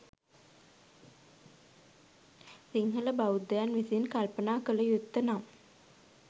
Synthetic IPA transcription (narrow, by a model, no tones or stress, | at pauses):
siŋɦələbaud̪əjanʋisenkalpənaːkələjut̪ːənam